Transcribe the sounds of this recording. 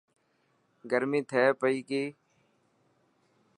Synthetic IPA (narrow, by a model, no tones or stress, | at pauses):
ɡəɾmĩːt̪ʰeːpəiːkiː